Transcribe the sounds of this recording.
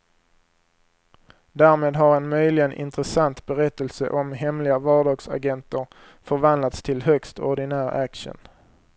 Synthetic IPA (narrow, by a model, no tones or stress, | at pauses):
d̪æːɾmeːd̪ɦaɾɛnmœjlɪɡənʔɪ̰nt̪ɾəsant̪bɛɾɛt̪ːəlsə̰ʔɔmɦɛmlɪɡavɑːɖɑːɡsa̰ɡɛnt̪əɾ | fœɾvand̪lat̪st̪ʰɪlɦœkst̪ɔɖɪnæːɾʔækʂə̰n